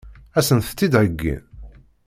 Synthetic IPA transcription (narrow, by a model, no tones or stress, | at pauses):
æsənθt̪ːid̪ʕəɡːḭ